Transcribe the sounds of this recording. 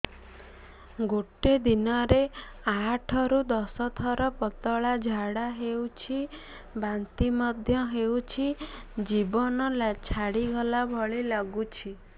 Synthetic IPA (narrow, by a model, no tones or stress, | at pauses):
ɡoʈed̪inɔɾeaʈʰɔɾud̪ɔsɔt̪ʰɔɾɔpɔt̪ɔɭad͡ʒʱaɽaɦewt͡ʃʰi | bant̪imɔd̪ʱjɔɦewt͡ʃʰid͡ʒibɔnɔlat͡ʃʰaɽiɡɔlabʱɔɭilɔɡut͡ʃʰi